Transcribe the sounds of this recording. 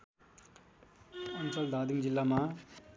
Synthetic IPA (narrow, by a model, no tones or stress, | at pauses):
ʌnt͡sʌld̪ʱaːd̪imd͡zilːama